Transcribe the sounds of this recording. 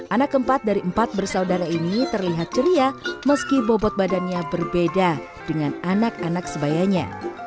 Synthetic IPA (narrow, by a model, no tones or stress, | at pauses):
ʔanakəmpat̪̚daɾiʔəmpat̪̚bərsaudaɾainit̪ərliɦat̪̚t͡ʃəɾiaməskibobɔt̪̚badanɲabərbeda | d̥əŋananakanaksəbajaɲa̰